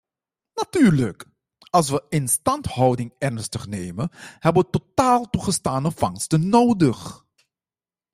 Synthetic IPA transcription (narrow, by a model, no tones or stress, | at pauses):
natyːɹlək | ɑlˠs̬ʋəɪnstɑnthɑwdɪŋɛrnstəχnejməhɛbəʋətotaːlˠtuχəstaːnəfɑŋstənːoːwdəχ